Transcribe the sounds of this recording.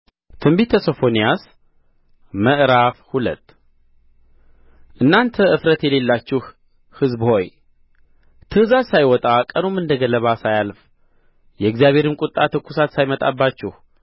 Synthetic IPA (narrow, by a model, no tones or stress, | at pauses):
t̪ʰɨmbit̪ʰəso̞fo̞nijas | məʔɾafhulə̰t̪ː | ʔɨnːant̪ʰəɨfɾət̪jɛle̞lːat͡ʃːɪh | hɨzbho̞j | t̪ʰɨhzasajwɔt̪ʼakʼənomːɨnd̪əɡələβasajalf | jɛɡzijaβhe̞ɾɨnkʼʊt̪ʼːat̪ʰɨkːusat̪sajmət̪ʼa̰bːat͡ʃːɪh